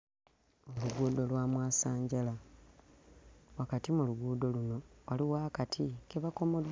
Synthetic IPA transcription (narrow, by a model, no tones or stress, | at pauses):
oluɡuːdo̞lwaːmwaːsaːɲɟala | wakatimuluɡuːdo̞luno̞waliwaːkatʰikeβako̞mo̞d̪ː